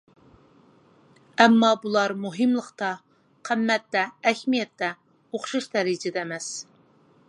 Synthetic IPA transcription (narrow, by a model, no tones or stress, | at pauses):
ɛmːɑbulˠɑɾmuɦɨmlˠəqt̪ɑ | qʰæmːɛt̪ːɛːhʲmijɛt̪ːɛ | oχʃuʃd̪ɛɾid͡ʒɪd̪ɛːmɛs